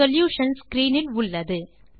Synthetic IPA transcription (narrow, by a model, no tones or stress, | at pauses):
ɔljuːʂɐnskɾiːnɪlʊɭːɐðɯ